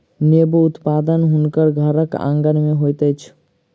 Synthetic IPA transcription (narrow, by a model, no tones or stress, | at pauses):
nebuːt̪pad̪ənɦʊnkəɾɡʱəɾəkã̰ŋɡənmẽɦojt̪ət͡ʃʰ